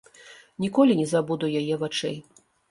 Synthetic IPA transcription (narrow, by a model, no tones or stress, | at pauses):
nʲikɔlʲinʲɛzabud̪ujajɛvat͡ʂɛ̰j